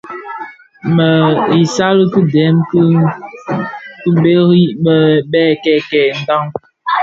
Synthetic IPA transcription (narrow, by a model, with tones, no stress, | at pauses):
mə˨i˨sa˦lə˦kə˦dɛ˨˦mk | ku˦be˦ɾi˦bə˦bɛː˦˨kɛ˦˨kɛ˨n̩˦da˦ŋ